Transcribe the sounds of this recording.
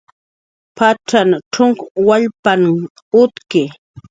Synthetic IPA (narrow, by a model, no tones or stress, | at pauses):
pʰaʈ͡ʂanʈ͡ʂʊŋkwaʎpan | ʊt̪kɪ